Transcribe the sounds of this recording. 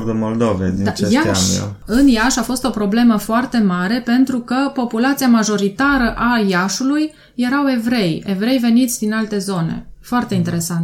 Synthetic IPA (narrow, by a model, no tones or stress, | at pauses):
rd̪əmold̪ovḛd̪id̪ajaʃa̰ɨnjaʃafo̞st̪o̞pɾo̞ble̞məfoart̪e̞maɾe̞pe̞nt̪ɾukəpo̞pulat̪siamaʒo̞ɾit̪aɾəʔajaʃulujː | e̞ɾawe̞vɾe̞je̞vɾe̞jve̞nit̪sʲd̪inalt̪e̞zo̞ne̞̰foart̪e̞int̪e̞ɾe̞sant̪